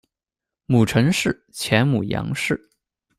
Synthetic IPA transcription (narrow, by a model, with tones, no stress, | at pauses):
mu˨˩ʈ͡ʂʰɤ˧˥ŋʂɻ̩˥˩ | t͡ɕʰjɛ˧˥nmu˨˩jɑ̰˧˥ŋʂɻ̩˥˩